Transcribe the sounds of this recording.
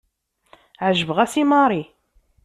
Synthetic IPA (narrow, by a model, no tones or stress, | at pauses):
ʕʒəvʁæsimɑɾˤi